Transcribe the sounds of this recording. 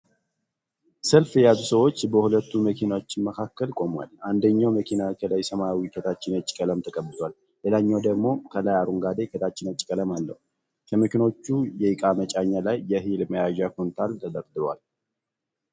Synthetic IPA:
səlfjɛjazusəwo̞t͡ʃːbəhulət̪ːuməkʰinawot͡ʃːɪnməkʰakːəlkʼo̞mwa̰lʔand̪əɲːawməkʰinakʰəlajsəmajawikʰət̪ʰat͡ʃːɪnət͡ʃʼːɪ̥kʼələmt̪ʰəkʼəbːɨzwal | ʔelaɲːawd̪əɡmo̞kʰəlajaɾuŋɡad̪ekʰət̪ʰat͡ʃːɪnət͡ʃʼɪkʼələmalːə̰hu | kʰəməkinot͡ʃːujɛjɨkʼamət͡ʃʼaɲːalajːɛɦilməjaʒakunt̪ʰalt̪ʰəd̪əɾd̪ɨlwa̰l

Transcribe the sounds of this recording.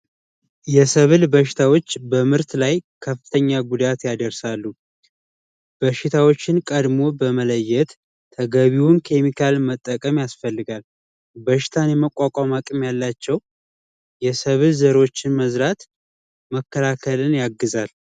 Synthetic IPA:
jɛsəβɨlbəʃɪ̥t̪ʰawo̞t͡ʃːbəmɨɾt̪lajkʰəfːɨ̥t̪ʰəɲːaɡud̪at̪jad̪əɾsalːu | b̥əʃɪt̪ʰawo̞t͡ʃːɪnkʼəd̪mo̞bəmələjːɛt̪ːʰ | əɡəβiwunkʰe̞mikʰalmət̪ʼːəkʼəmjasfəlːɨɡal | bəʃɪ̥t̪ʰanjɛməkʼːakʼamakʼɨmjalːat͡ʃːɛw | jɛsəβɨlzəɾwo̞t͡ʃːɪnməzɾat̪ | məkːəlakʰəlɨnjaɡːɨzal

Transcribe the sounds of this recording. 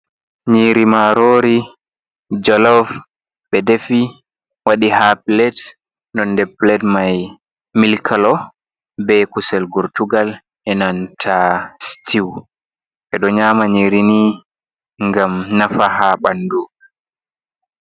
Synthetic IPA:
ɲiɾimaɾoːɾi | d͡ʒɔlɔv | ɓɛdefi | waɗihaplɛt | nɔndɛplɛdmaj | milkʰalɔ | bɛkusɛlɡuɾtuɡal | ʔɛnantʰastiw | ɓɛɗɔɲaːmaɲiɾini | ŋɡamnafahaɓandu

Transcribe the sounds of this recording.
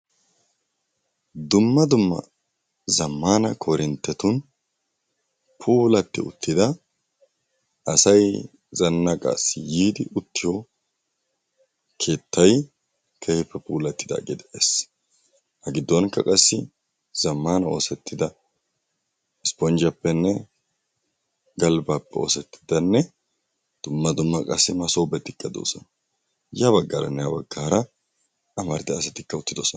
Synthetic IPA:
d̪ʊmːɐd̪ʊmːɐ̰ | zɐmːaːnɐkʰɔɾɪnt̪ːɛt̪ʊn | pʰuːlɐt̪ːɪ̰ʊ̰t̪ːɪd̪ɐ | ʔɐsɐj | zɐnːɐkʼa̰sjiːd̪ɪʔʊt̪ːɪjo | kʰe̞ːt̪ːɐj | kʰɛhɪpːɛpuːlɐt̪ːɪd̪ɐ̰ɡʼɪd̪ɛʔeːs | hɐɡɪd̪ːɔnkːɐkʼɐsːɪ | z̥ɐmːaːnɐo̞ːsɛt̪ːɪd̪ɐ | ɪspɔnd͡ʒɐpːɛnːɛ | ɡɐlbaːpːɛo̞̰ːsɛt̪ːɪ̥d̪ɐnːɛ | d̪̥ʊmːɐd̪ʊmːɐkʼɐ̰sːɪmɐsoːbɛt̪ʼːɪkʼːɐd̪o̰ːsɔn | jaβɐɡːaːɾɐ̰nːɛjɐbɐɡːaːɾɐ | ɐmɐɾɪd̪ɛɐsɐt̪ɪkːɐʊt̪ːɪd̪osɔn

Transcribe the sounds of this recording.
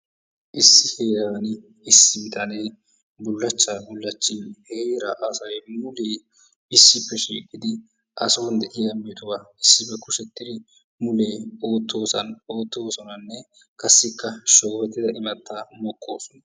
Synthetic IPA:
ʔɪsːɪheːɾɐɐnɪ | ɪsːɪmɪt̪ʼɐne̞ː | bʊlːɐt͡ʃːaːbʊlːɐt͡ʃːɪnheɾɐʔɐsɐɾemʊleː | ɪsːɪpːɛʃḭːkʼːɪd̪ɪ | ʔɐ̰soːnd̪ɛʔɪɐmːɛt̪ʊwaɪsːɪbɛkʊʃɛt̪ːɪɾɪ | mʊleːo̞ːt̪ːo̞ːsɐno̞ːt̪ːo̞ːsɔnɐnːɛ | kʰɐsːɪkːɐʃoːfɛt̪ːɪd̪ɐʔɪmɐt̪ːaːmɔkʼːo̞ːsɔnɐ

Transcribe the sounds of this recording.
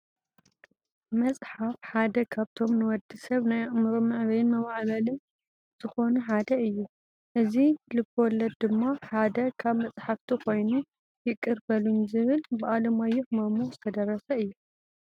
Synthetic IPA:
mɐsʼħafħad̪ɐkʰaβt̪ʰo̞mnɨwɔd̪isɐβnajamɨɾomɨʕβɐjnmɐβaʕβɐlɨn | z̥ɨxo̞nuħad̪ɐɨjːu | ʔɨzilɨkːwɔlːɐd̪̚d̪ɨmːaħad̪ɐkʰaβmɐt͡sʼħaft̪ʰikʰo̞jnu | jɪkʼːɨɾbɐlunzɨβɨlbɨʔalɐmajːɛħmamuzɨt̪ʰɐd̪ɐɾːɐsɐɨjːu

